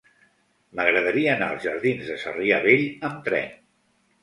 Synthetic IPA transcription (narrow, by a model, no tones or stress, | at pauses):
məɣɾəðəɾiəːnaəlˠzʒəɾðinzðəsə̰riəβeʎəmt̪ɾɛ̰n